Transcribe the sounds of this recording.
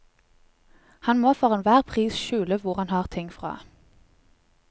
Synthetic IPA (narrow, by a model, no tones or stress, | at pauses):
hɑnmoːfɔʁeːnʋæːʁpʰʁiːsʃʉːləʋʊʁhɑnhɑːʁt̪ʰɪŋfʁɑ̰ː